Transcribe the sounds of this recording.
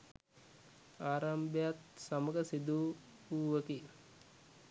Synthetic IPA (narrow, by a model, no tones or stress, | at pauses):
aːɾambəjat̪saməɡəsid̪uː | uːʋəki